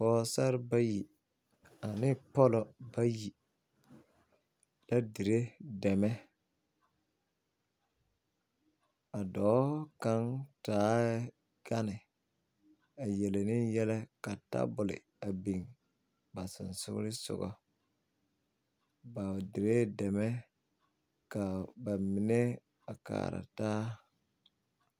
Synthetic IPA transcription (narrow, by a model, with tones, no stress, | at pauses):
fɔː˦sa˦ɾɪ˦ba˦ji˨ | a˨nɪ˦pɔ˦lɔ˨ba˦ji˨ | la˦di˨ɾe˦dɛ˨mɛ˦ | a˨dɔː˨˦ka˦ntaː˨˦ | ɡ̥a˦nɪ˨ | a˨jɛ˨le˨nɪ˦jɛ˦lɛ˦ka˨ta̰˦bʊ˨lɪ̰˨ | a˨bi˨ŋ | ba˨sɪ̰˨nsʊ̰˦ɡ̰ɾɪ˦sʊ̰˨ɡɔ̰˦ | ba˨dɪ˨ɾe˦dɛ˨mɛ˦ | ka˨ba˨mi˨ne˦ | a˨ka̰ː˨ɾa̰˨taː˦